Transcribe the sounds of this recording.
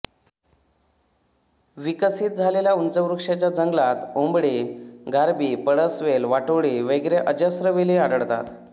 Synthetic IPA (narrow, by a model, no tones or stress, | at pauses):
ʋikəsiːt̪̚d͡zʱaleljaunt͡səʋɾukʂjat͡ɕjad͡zəŋɡlat̪ombɽiɡʱaɾbiːpəɽəsʋelʋaʈəɽiʋeɡɾeʔəd͡ʑəsɾəʋeliaɽəɽt̪a̰t̪